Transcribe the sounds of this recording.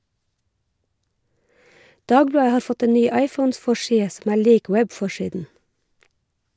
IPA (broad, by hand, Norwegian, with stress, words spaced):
ˈdɑːɡˌblɑːə ˈhɑːɾ ˈfɔt ə ˈnyː ˈɑɪfɔnˌsfɔˌʃiːə ˈsɔm ˈæːɾ ˈliːk ˈwɛbˌfɔˌʃiːdn̩